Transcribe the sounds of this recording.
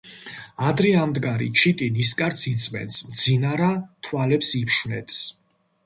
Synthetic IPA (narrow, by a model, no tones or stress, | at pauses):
ad̪ɾɛamd̪ɡaɾḭt͡ʃʰit̪ʼiniskʼaɾt̪sʰit̪sʼmɛ̰nt̪smd̪zinaɾat̪ʰwalɛpsipʃwnɛ̰t̪ʼs